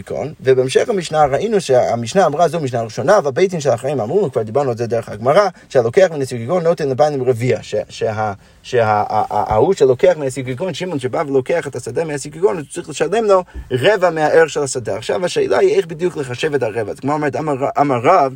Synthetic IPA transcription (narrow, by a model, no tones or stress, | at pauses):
kʰo̰nvebeɛmʃɛχamiʃnaʁaʔinuʃea̰miʃnaːmʁazomiʃ̬naʁiʃonavabejt̬imʃɛlaχaimamʁunukv̥aʁd̪ibaʁnualˠzɛd̪eʁəχaɡmaʁaʃealokeaχminasikikonːotɛnləbanimʁeviaʃeʃeɦa | ʃea̰ʔahuʃelokeaχmeasikikonʃimonʃebavelokeaχetasad̪ameasikikonut͡sʁiχləʃalemloʁɛvameaʔeʁʃelasadeaχʃa̰vaʃeːlʔa̰iejχbid̪jukləχaʃevɛtaʁevazɡmaometamaʔamaʁav